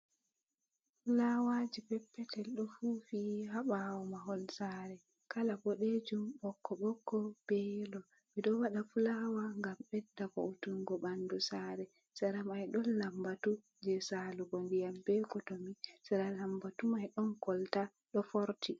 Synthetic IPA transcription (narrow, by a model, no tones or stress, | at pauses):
fulawad͡ʒipɛpːɛtɛlɗɔfufihaɓawɔmaɦɔlsaːɾɛ | kalabɔɗed͡ʒumbɔkːɔɓɔkːɔb̥ɛlɔ | miɗɔwaɗafulawaŋɡamɓɛdːakɔ̰utuŋɡɔbandusaːɾɛ | saɾamajɗɔnːambatu | d͡ʒɛsaluɡɔndijambɛkɔtomisaɾalambatumajɗɔnkɔlta | ɗɔfoɾti